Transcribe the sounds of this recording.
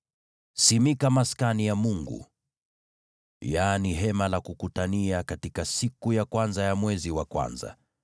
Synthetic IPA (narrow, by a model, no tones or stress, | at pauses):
simikamaskanijamuŋɡṵ | janiɦɛmalakukutaniakatikasikujakwanzajamwɛziwakwa̰nza̰